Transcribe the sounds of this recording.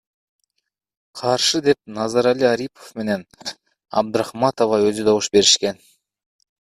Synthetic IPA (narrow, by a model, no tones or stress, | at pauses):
qʰɑɾʃɯd̪e̞p̚nɑzɑɾalʲiaɾipʰo̥fme̞ne̞n | ɑ̰b̚d̪ɾɑχmɑt̪ovɑøzyd̪oβuʃbe̞ɾiʃke̞n